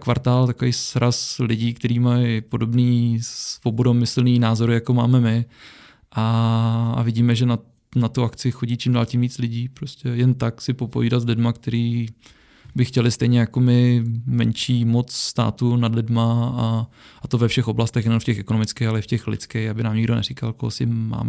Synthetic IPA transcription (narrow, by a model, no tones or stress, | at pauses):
kvaɾt̪aːlt̪akovejsɾaslɪɟiːkt̪ɛɾiːmajpo̞do̞bniːsvobodomɪsl̩niːnaːzo̞ɾɪjako̞maːmɛmɪ | ʔa | a̰vɪɟiːmɛʒɛna | nat̪uʔakt͡sɪxoɟiːt͡ʃɪmdaːlcɪmviːt͡slɪɟiːpɾoscɛjɛnt̪aksɪpo̞poviːdat̪zlɪdmak̚t̪ɛɾiː | bɪxcɛlɪst̪ɛjɲɛjako̞mɪmɛnt͡ʃiːmo̞t͡sst̪a̰ːt̪unadlɪdmaa | ʔat̪o̞vɛfʃɛxo̞blast̪ɛxnɛnonfcɛxɛkonomɪt͡skɛjxalɛɪfcɛxlɪ̰t͡skɛjxabɪnaːmɲɪɡdo̞nɛ̰ɾɪkalkoɦosɪɪmːa̰ːmɛ